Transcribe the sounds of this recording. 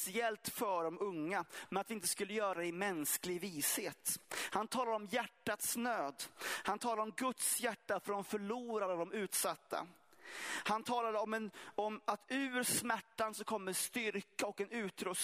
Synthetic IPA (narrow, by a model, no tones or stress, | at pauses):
sɪɛlt̪fœɖɔmɵŋːamɛnat̪vɪɪnt̪ə̥skɵlːəjœːɾad̪ɛɪmɛnsklɪɡviːsheːt̪hant̪ʰɑːlad̪əɔmjæʈːat̪snøːd̪hant̪ʰɑːlad̪əɔmɡɵt̪sjæʈːafœɾɖɔmfœɭuːɾad̪ɔd̪ɔmʉ̟ːt̪sat̪ʰːa̰ | hant̪ʰɑːlad̪əɔmɛnɔmat̪ʉ̟ːɾsmæʈːansɔkʰɔmːəɾɛnst̪ʏɾkaɔkɛnʉ̟ːt̪ɾœs